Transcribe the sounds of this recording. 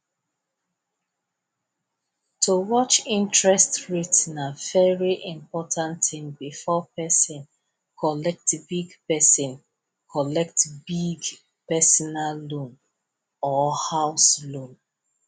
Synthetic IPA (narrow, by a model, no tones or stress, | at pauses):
tʰuwɔt͡ʃĩntʰɹɛstɹitnavɛɹiʔĩmpɔtʰãntĩmbifɔpɛsɔ̃n | kʰɔlɛk̚tbiɡpɛsɔ̃n | kʰɔlɛk̚tbiɡ | pɛsɔnalːũn | ɔhaʊslũn